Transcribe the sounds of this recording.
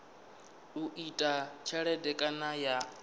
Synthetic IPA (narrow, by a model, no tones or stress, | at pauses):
uʔitʼat͡ʃʰaɺɛdɛkʼanaja